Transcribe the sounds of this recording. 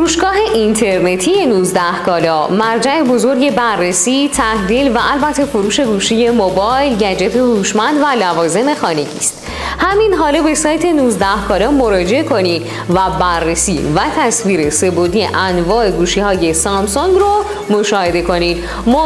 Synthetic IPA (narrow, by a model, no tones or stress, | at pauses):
ɾuːʃɡɒːɦe̞ʔint̪ʰe̞ɾne̞t̪ʰije̞nuːzd̪æhkʰɒːlɒmæɾd͡ʒæe̞bo̞zo̞ɾɟe̞bærːe̞siːt̪ʰæhd̪iːlvæʔælbæt̪ʰːe̞foɾuːʃe̞ɡuːʃije̞mobɒːjlɟæd͡ʒe̞t̪ʰehuːʃmænd̪vælævɒːze̞me̞xɒːne̞ɟḭːst̪ | hæminɦɒːlɒbe̞sɒːjt̪ʰe̞nuːzd̪æhkʰɒːlɒːmo̞ɾɒːd͡ʒe̞ʔekʰo̞ni | væbærːe̞sḭːvæt̪ʰæsviːɾe̞se̞bod̪ḭʔænvɒːʔe̞ɡuːʃiːhɒːje̞sɒmsoŋɡro | moʃɒːhe̞d̪e̞ko̞nid̪ | m